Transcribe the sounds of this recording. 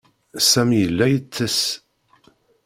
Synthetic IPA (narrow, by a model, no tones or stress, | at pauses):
sæmjəlːæjət͡sːəs